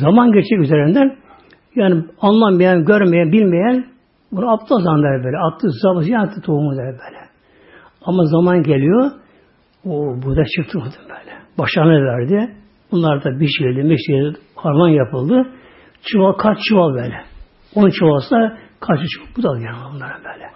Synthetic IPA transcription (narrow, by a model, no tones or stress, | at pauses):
zamanɟɛɾt͡ʃʰɛkʲyzeɾind̪æn | jaːnianlˠammajanɟøɾmejænbilʲmejæn | bunaapt̪ʰːazand̪ɛlʲbøːlʲɛat̪ʰːɯzabɯsjanat̪ʰːɯt̪ʰoumund̪ɛlʲbøːlʲɛ | amazamanɟelʲijo | obuɾd̪at͡ʃʰɯkt̪ʰːɯmad̪ɯmbø̥ːlʲɛ̥b̥aʃaɾnɯvæɾd̪ɪ | bunlˠaɾd̪abiʃilʲd̪imɛʃt̪ʰid̪ihaɾvanjapɯlˠd̪ɯ | t͡ʃʰɯvakʰat͡ʃt͡ʃʰɯvalˠbɛːlʲɛ | onunt͡ʃʰɯvalˠsɯnd̪akʰat͡ʃɯt͡ʃʰbud̪ad̪ˠɯjaːnabunlˠaɾɯmbøːlʲɛ